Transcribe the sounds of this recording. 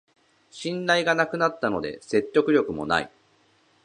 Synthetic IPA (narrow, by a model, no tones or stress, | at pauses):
ɕĩnɾaiɡanakɯ̟nat̪ːano̞d̪e̞̰se̞tʲːo̞kɯ̟ɾʲo̞kɯ̟mo̞̰na̰ḭ